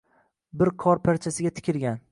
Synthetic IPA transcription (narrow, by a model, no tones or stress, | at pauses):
bɪɾqʰɒɾpʰaɾt͡ʃʰasɪɡʲat̪ʰɪ̥kʲʰɪɾɡʲan